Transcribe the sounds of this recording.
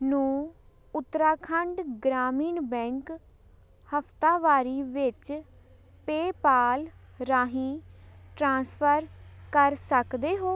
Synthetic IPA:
nũː | ʊt̪ːɾaːkʰəɳɖɡɾaːmiːɳbɛ̃ːŋk | həpʰt̪aːʋaːɾiːʋɪt͡ʃ | peːpaːlɾaːɦĩːʈɾãːspʰəɾkəɾsəkd̪eːɦoː

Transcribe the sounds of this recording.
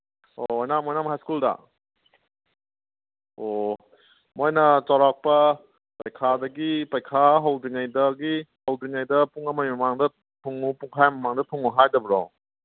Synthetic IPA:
ojnamojnamɦajskulda̰ | o | mojnɐt͡ʃaɾak̚pɐ | pajkʰadɐɡipajkʰaɦawdiŋajdɐɡihawdiŋajdɐpuŋɐmajmɐmaŋdɐ | tʰuŋupuŋkʰajmɐmaŋdɐtʰuŋːuɦajdɐbɾɔ̰

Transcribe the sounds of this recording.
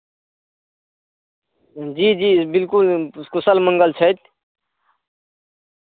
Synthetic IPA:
d͡ʒiːd͡ʒiːbɪlkulkʊsəlmə̃ŋɡəlt͡ʃʰət̪̚

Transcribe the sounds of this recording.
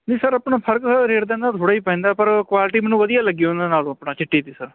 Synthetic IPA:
d͡ʒiːsəɾəpɳaːpʰəɾksəɾeːɾd̪ẽːnd̪aːt̪ʰoːɽaːiːpɛ̃ːnd̪aːpəɾkwaːlʈiːmɛ̃ːnũːʋəd̪ijaːləɡiːõnd̪eːnaːlõːəpɳaːt͡ʃɪʈːiːt̪iːsəɾ

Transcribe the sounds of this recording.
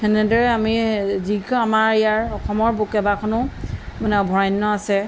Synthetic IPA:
kɛnɛdɔɹɛamizikamaɹɛjaɹɔxʰɔmɔɹbukɛbakʰɔnʊmanɛɔbʱɔɹajnːɔasɛ

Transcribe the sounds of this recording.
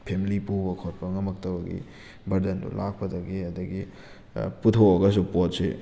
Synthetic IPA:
pʰemilipubɐkʰot̚pɐŋɐmɐk̚tɐbɐɡḭ | bɐɾdendṵlʔak̚pɐdɐɡiɐdɐɡi | putʰoɐɡɐs̬upot̚se

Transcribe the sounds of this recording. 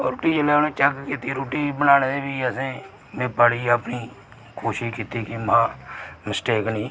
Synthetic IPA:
ɾoːʈiːt͡ʃəleːoneːt͡ʃəkkiːt̪iːɾoːʈiːbənaːñeːd̪eːbiːəsẽː | mẽpəɽiːəpniː | koːʃɪʃkiːt̪iːkɪmãːmɪsʈeːknĩː

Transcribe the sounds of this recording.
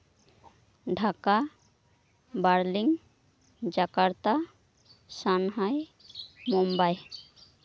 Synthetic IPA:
ɖʱaka | baɾliŋ | d͡ʒakaɾt̪a | sanɦaj | mumbaj

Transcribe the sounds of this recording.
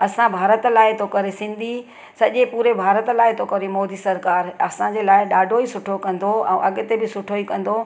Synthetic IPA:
ɐsãbʱaːɾət̪laːɪt̪ʰokɐɾesɪ̃nd̪ʱi | sɐʄepuːɾebʱaːɾət̪laːɪt̪ʰokɐɾemɔːd̪iːsɐɾkaːɾɐsãd͡ʑeːlaːɪɗaːɖʱoisʊʈʰokɐ̃nd̪oɛ̰̃ːʔɐɠʊt̪ebɪsʊʈʰoikɐ̃nd̪o

